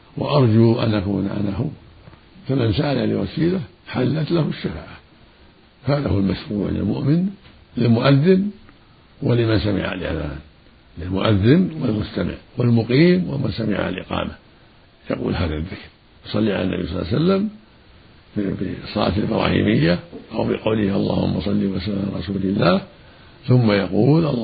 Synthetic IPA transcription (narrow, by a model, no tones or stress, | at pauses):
wɪ̰ʔɑɾˤd͡ʒuʔanʔakṵːnʔa̰naɦʊw | famansaʔalalɪwasiːla | ħalːat̪lahʊʃːafaːʔa | faːðahʊlmaʃfuːʕlɪ̰lmʊ̰ʔmɪn | lɪlmʊʔaðːɪn | wɪlɪmansamɪ̰ʕa̰alʔɪʔða̰ːn | lɪlmʊʔaðːɪnwɪlmʊst̪amɪ̰ʕwɪlmʊqiːmwɪmansamɪʕa̰a̰lʔɪ̰qɑ̰ːma | jɑqṵːlɦaːðaðːɪkɾ | jsˤɑlːiʕa̰lanːa̰bḭjsˤɑlːsalːam | bsˤɑlɑ̰ːt̪albɾˤɑ̰ːhḭːmɪjːaʔawbɪqɑwlɪhʔɑlˤːɑːhʊ̰mːɑsˤɑlːiwasaaɾˤɑsuːlɪlːaːh | θʊmːajɑquːlʔɑ